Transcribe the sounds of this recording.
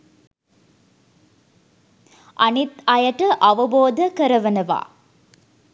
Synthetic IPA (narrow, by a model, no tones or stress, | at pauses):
ʔɐnit̪ɐjɐʈɐʔɐʋɐboːd̪ʱɐkɐɾɐʋɐnɐʋa̰ː